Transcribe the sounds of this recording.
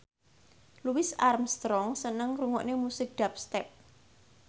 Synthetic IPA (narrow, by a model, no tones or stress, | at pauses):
luwɪsarmst̪ɾɔŋsənəŋruŋɔ̰ʔnemusɪk̚d̪̥a̤p̚st̪ɛp̚